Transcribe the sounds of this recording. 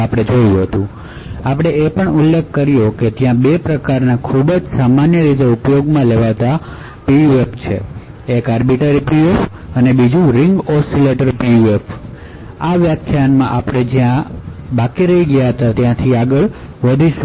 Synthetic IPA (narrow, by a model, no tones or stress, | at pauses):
apɽ̃ed͡ʒojũɦət̪ũ | apɽ̃eepəɳulːekʰːəɾijoket̪jãbepɾəkaɾnakʰubd͡ʒsamanjəɾit̪̬eupjoɡmãleʋaʋt̪a | piʋept͡ʃʰḛ | ekaɾbiʈəɾipiep | ənebid͡ʒũɾɪŋɡɔsileʈəɾpiʋep | aʋjatʰjanmã̰ʔapɽ̃ed͡ʒjãbakiɾəɦiɡəjaɦət̪at̪jãt̪ʰiaɡəɭ | ʋəd̪ʱiʃ